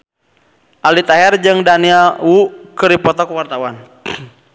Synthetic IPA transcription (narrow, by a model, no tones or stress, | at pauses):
ʔalit̪aɦɛrd͡ʒɨŋdaniawukəɾipɔt̪ɔkəwart̪awan